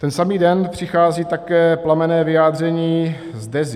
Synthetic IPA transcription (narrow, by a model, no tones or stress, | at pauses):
t̪ɛnsamiːdɛnpr̝̥ɪxaːziːt̪akɛːplamɛnɛːvɪjaːd̪rɛɲiː | zdɛz